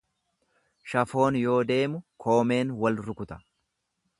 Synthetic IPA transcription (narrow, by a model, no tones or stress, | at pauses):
ʃɐfo̞ːnjo̞ːd̪e̞ːmʊkʰo̞ːme̞ːnwɐlɾʊkʊt̪ɐ̥